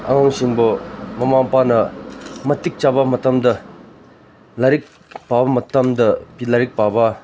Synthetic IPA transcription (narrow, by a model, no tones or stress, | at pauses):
ʔaŋaŋɕiŋbomamaŋpanɐmət̪ik̚t͡ɕabamət̪amd̪ə | laɾik̚ | paamɐt̪amd̪əpilaɾik̚paba